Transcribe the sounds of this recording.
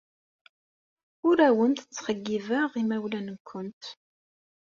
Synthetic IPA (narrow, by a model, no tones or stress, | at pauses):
ʊɾæwənt̪ət͡sːχəɡːivaʁimæwlænəkʷʰːʊnt̪